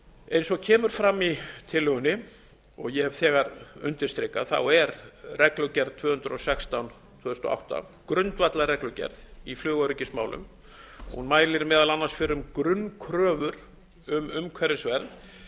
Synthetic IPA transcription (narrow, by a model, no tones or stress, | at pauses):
ejnsɔɣcʰɛːmʏɾ̥fɾamːit̪ʰɪlːʏɣʏnːɪ | ɔɣjɛhɛvθɛːɣaɾʏnt̪ɪɾ̥st̪ɾeːka̰θa̰wɛɾrɛklʏcɛɾðt̪ʰv̥œːhʏnt̪ɾʏɔsɛxst̪awn | t̪ʰʏːðʏst̪ɔa̰wht̪a̰ | kɾʏnt̪vat̪laɾɛklʏcɛ̰ɾðiflʏːɣœɾʏcɪsmaːwlʏ̰m | hṵnmaːjlɪɾmɛːðalanːasfɪɾʏmkɾʏnkʰɾœːvʏɾ̥ | ʏmʏmkʰvɛɾðɪsvɛɾð